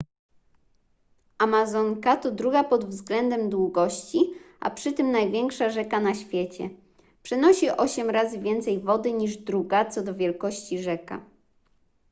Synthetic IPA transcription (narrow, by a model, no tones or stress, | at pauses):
ʔamazɔŋkat̪ɔd̪ɾuɡapɔd̪vzɡlɛnd̪ɛmd̪wuɡɔɕt͡ɕiʔa̰pʂɘt̪ɘmnajvʲjɛŋkʂaʐɛkanaɕfʲjɛt͡ɕɛ | pʂɛnɔɕiʔɔɕɛmɾazɘvʲjɛnt̪sɛjvɔd̪ɘɲiʐd̪ɾuɡat̪sɔd̪ɔvʲjɛlkɔɕt͡ɕiʐɛka̰